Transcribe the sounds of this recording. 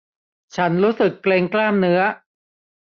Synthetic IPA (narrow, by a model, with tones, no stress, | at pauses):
t͡ɕʰa˦˥nɾuː˦˥sɯ˨˩kːleː˧ŋklaː˥˩mnɯ˦˥ɐ